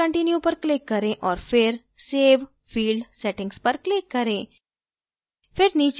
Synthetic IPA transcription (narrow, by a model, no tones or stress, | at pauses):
əɳʈinjõpɐɾklɪkːɐɾẽʔɔːɾfɪɾ | seːʋ | fiːlɖsɛʈɪ̃ŋɡspɐɾklɪkːɐɾẽː | fɪɾniːt͡ʃ